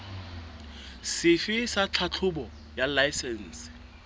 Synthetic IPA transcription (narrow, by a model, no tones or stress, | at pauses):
sɪfɪsat͡ɬʰat͡ɬʰʊbɔ | jalajsɛn̩ːsɪ̥